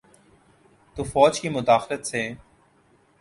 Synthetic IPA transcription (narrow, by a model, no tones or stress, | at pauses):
t̪uːfɔːd͡ʒkiːmʊd̪aːxlət̪seː